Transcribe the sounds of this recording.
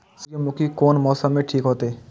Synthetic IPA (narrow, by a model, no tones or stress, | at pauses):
sjomʊkikoːnmɔːsəmːẽʈʰiːkɦoːt̪eeː